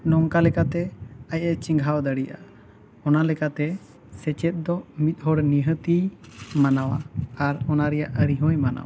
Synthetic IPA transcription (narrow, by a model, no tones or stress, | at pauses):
nɔŋkalɛkat̪ɛajət͡ʃiŋɡʱawd̪əɽijʔa̰ | ɔnalɛkat̪ɛ | sɛt͡ʃɛt̪̚ˀd̪ɔmit̪̚ɦɔɽniɦət̪imanawa̰aɾɔnaɾɛjaʔəɾiɦɔjmana̰wa